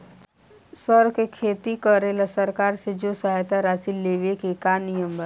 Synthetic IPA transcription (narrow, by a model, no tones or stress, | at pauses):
səɾkekʰeːt̪ikəɾelasəɾkaːɾsed͡ʒosaɦajt̪aɾaːsilːeʋekekanijəmbə